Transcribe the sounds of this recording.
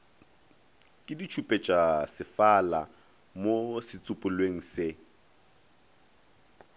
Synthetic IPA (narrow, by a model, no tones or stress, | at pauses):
kʼɪdit͡ʃʰupʼet͡ʃʼasɪfala | mosɪt͡sʼʊpʼʊlweŋ̩sɪ